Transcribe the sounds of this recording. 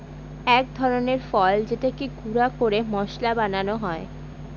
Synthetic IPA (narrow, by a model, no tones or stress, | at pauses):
ɛk̚d̪ʱɔɾoneɾfɔld͡ʑeʈekiɡuɾakoɾemɔʃlabananoɦɔe